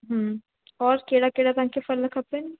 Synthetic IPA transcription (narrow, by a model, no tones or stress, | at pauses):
ɦə̃ | ɔːɾkeːɽakeːɽat̪ãːkefʰɐlːɐkʰɐpːen